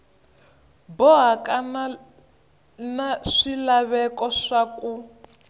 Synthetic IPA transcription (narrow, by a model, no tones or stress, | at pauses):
bɔɦakana | naʂilaβɛkɔʂaku